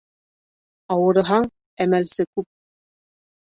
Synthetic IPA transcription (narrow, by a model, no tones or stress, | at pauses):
ɑwɤ̆ɾɤ̆ɦɑɴ | æmælsɘkʉp̚